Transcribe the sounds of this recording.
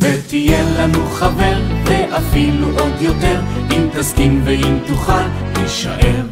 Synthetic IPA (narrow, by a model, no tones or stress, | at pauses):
vet̪ijelanuχaveʁveʔafiluʔo̞d̪jo̞t̪e̞ʁimt̪askimveimt̪uχa | leʃa̰ʔeʁ